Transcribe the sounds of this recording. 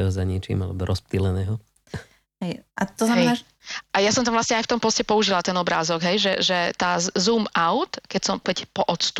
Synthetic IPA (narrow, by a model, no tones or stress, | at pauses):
ɛɦɔzaɲit͡ʃḭːmalɛbɔɾʔɔsp̚t̪ilɛnɛːɦɔ | ɦɛjʔat̪ɔznamɛna | ʔajasɔmt̪amvlasɲɛajft̪ɔmpɔscɛpɔuʒilat̪ɛnɔbɾaːzɔɡɦɛjʒɛʒɛt̪aːzuːmaʊt̪kɛcsɔmkɛcpɔʔɔt̪st̪